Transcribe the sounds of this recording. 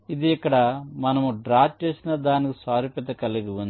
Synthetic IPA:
id̪iɛkːɐɽɐmɐnɐmuɖɾaːt͡ʃe̞ːsinɐd̪aːnikisaːɾipɛt̪ɐkɐlːeɡiund̪i

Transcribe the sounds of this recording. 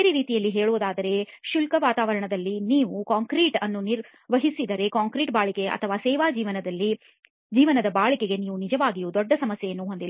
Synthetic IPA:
eɾiɾiːt̪ijɐlːiɦeːɭuːd̪aːd̪ɐɾe̞ʃulkɐʋaːt̪aːʋɐɾɐɳɐd̪ɐlːiniːʋukaːŋkɾiʈɐnːuniɾ | ʋɐɦisid̪ɐɾe̞kaːŋkɾiːʈ̚baːɭike̞ʔɐ̰t̪ʰɐʋaːsɛːʋaːd͡ʒiːʋɐnɐd̪ɐlːi | d͡ʒiːʋɐnɐd̪ɐbaːɭikeɡe̞niːʋunid͡ʒɐʋaːɡijud̪ɔɖːɐsɐmɐsjɛjɐnːuɦond̪il

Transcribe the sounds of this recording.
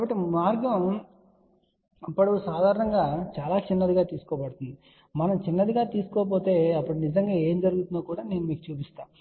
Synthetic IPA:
kaːbɐʈːimaːɾɡɐm | ɐpːɐɽusaːd̪ʱaːɾɐɳɐŋɡaːt͡ʃaːlaːt͡ʃinːɐd̪iɡaːt̪iːsu̥kɔːpɐɽut̪und̪i | mɐnɐmt͡ʃinːɐd̪iɡaːt̪iːsu̥kɔp̬oːt̪e̞ːɐpːuɽunizɐŋɡaːe̞ːmd͡ʒɐɾuɡut̪und̪oːkuːɽaːne̞ːnumiːkut͡ʃuːpist̪aːm

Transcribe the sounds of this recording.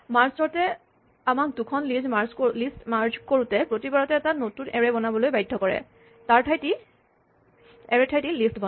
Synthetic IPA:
maɹsɔɹtɛ | amak̚dukʰɔnlizmaɹzlistmaɹd͡ʒkoɹutɛpɹotibɔɹatɛːtanotunʔɛɹɛbɔnabɔlojbajdʱːɔkɔɹɛ̰ | taɹtʰajti | ɛɹɛtʰajtilistbɔ

